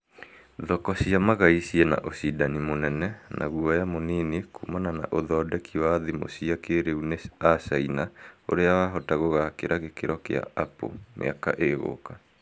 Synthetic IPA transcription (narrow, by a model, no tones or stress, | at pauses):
ðɔkɔsiamaɣaisiɛna̰ʔosidanimonɛnɛnʔa̰ɣuɔjamoninekumanana̰ʔoðɔːdɛkiwaðimo̰siakeɾeuneasainao̰ɾeawaɦɔtaɣoɣakeɾʔaɣekeɾɔkḛa̰ʔapo̰mḛaka̰ʔeɣo̰ka